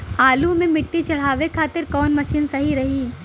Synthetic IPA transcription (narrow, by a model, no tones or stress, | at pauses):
aːlumẽmɪʈːit͡ʃɐɽ̤aːʋekʰaːt̪ɪɾkɔːnmɐʃiːnsɐɦiɾɐɦiː